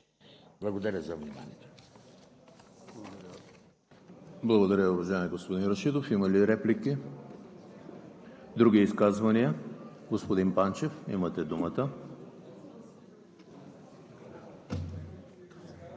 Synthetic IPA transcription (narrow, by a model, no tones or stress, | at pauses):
blˠɐɡod̪ɐɾʲəzɐvnima̰nʲḭɛt̪ɛ | blˠɐɡod̪ɐɾʲəʊvɐʒaɛmʲiɡospod̪inɾɐʃid̪ofimɐliɾɛpliki | d̪ɾuɡʲiiskazvɐniə | ɡospod̪inpant͡ʃɛfḭmɐt̪ɛd̪umət̪ə